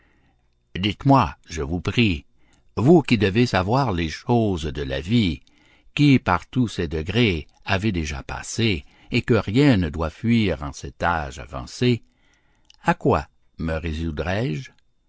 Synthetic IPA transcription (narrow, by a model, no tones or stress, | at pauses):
d̪it̪mwaʒəvupʁi | vukid̪əvesavwaːʁleʃoːzd̪əla̰vi | kʲipaʁt̪usɛd̪əɡʁe | avɛd̪eʒa̰pa̰seː | kəʁjɛ̃nəd̪wafɥiːʁɑ̰̃sɛt̪aːʒa̰vɑ̰̃se | akwa̰ | məʁezud̪ʁɛːʒ